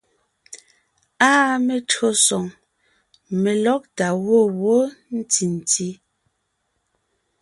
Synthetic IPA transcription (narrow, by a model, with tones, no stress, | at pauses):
aː˦me˨tɰo˦sɔ˨ŋ | me˨lɔ˦k̚ta˨ɣwo˦˨wo˦n̩˦ti˨n˨ti˦